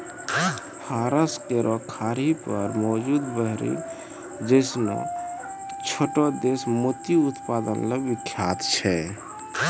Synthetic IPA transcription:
hʰaɾəskeɾʔɔkʰaɾipəɾmɔd͡ʒud̪bəɦɾḭ | d͡ʒəɪsnɔ̰ | t͡ʃʰoʈɔd̪esmot̪iut̪pad̪ənlebikʰːjat̪t͡ʃʰɛ

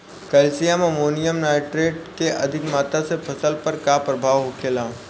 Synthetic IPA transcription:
kɐlsijamɐmoːnijəmnaːɪʈɾeːʈ̚keʔɐd̪ʱɪkmaːt̪asepʰɐsəlpɐɾkapɾɐbʱaːʋɦokʰeːlãː

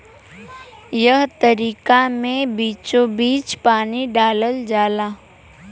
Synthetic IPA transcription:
jəɦt̪əɾiːkamẽbiːt͡ʃobiːt͡ʃpaːniɖaːləld͡ʒaːlaː

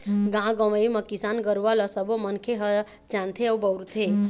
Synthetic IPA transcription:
ɡãɡɔməiməkisanɡəɾʋaləsəbomənkʰeɦə | t͡ʃãnt̪ʰeəwbəɾt̪ʰe

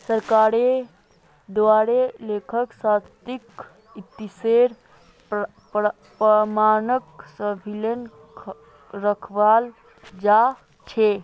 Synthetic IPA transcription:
səɾkaɾe | d̪waɾelekʰəksast̪ik | it̪iseɾ | pəmanəksəbʱilen | kʰ | ɾəkʰʋal | d͡ʒa | t͡ʃʰe

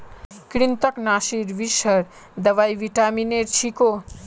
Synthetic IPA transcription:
kɾint̪əknaʃiɾʋiʃəɾ | d̪əʋajʋiʈamineɾt͡ʃʰiko

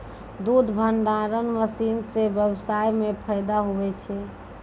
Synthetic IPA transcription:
d̪ud̪ʱbʱəɳɖaɾənməsinsebjəbsajmepʰəjd̪aɦoʋɛt͡ʃʰɛ

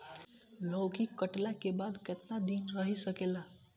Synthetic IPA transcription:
lokikəʈlakebad̪ket̪nad̪inɾəɦisəkela

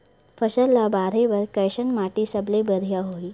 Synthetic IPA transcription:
fəɕəlːabaɾeʋəɾkəjɕənmaʈiːsəblebəd̪ʱjaɦoi

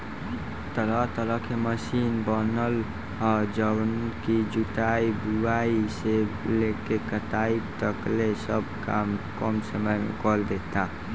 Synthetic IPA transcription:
t̪əɾət̪əɾəkʰeməʃiːnbənəl | əd͡ʒəwnkid͡ʒuʈ̪aibuaːiseleːkekət̪aːit̪əklesəb̚kaːmkɔmsəməjmḛ̃kɔld̪eːt̪a

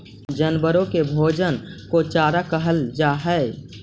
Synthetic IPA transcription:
d͡ʒənbəɾõkebʱoːd͡ʒənkot͡ʃaːɾakəɦəld͡ʒaɦɛe

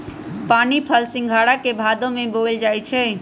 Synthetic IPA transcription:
paːnipʰəlsɪ̃ŋɡʱaɽakebʱad̪õmebold͡ʒajt͡ʃʰɛ

